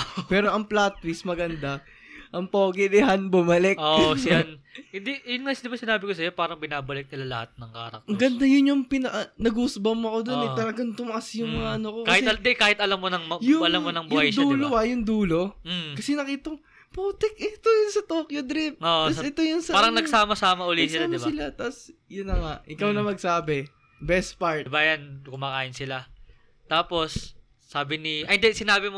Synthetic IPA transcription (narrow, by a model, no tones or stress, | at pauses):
pɛːɾo̞ʔɐŋplat̪̚wismɐɡɐnd̪a | ʔɐŋpoːɡɪd̪ɪhanbʊmɐlɛk̚osɪanhɪnd̪ijʊnŋad̪ɪbasɪnaːbɪkos̬ɐjopaːɾɐŋbɪnaːbɐlɪk̚nɪlalɐ̰hat̪̚nɐŋka̰ːɾɐ̰k̚ɡɐnnd̪ajʊnjʊŋpɪnɐʔɐnɐɡusbɐmoɐkod̪onɛt̪ɐlɐɡɐnt̪ʊmɐʔasjʊŋmɐŋaʔɐnokokaɐɪtd̪kaːhɪt̪ɐlɐmːonɐŋmɐjʊɐlɐmːonɐŋbʊhajd̪uːloɐjʊŋd̪uːlo̞m̩kɐsɛnɐkiːt̪oŋ | poːt̪ɛkʔɛt̪ojʊnsɐt̪oːkjod̪ɾɪp̚oʔɐsʔɛt̪ojʊnsɐaːɾɐŋnɐɡ̚saːmɐsaːmɐʔʊlisɪlamɪbaɪlat̪asjʊnːɐŋaʔʔɪkawnɐmɐɡ̚saːbɪ | bɛst̪paɹbajankʊmaːkaːʔɪnsɪla | t̪aːpo̞sː | aːbɪnɪʔɐnd̪ɛsɪnaːbɪmo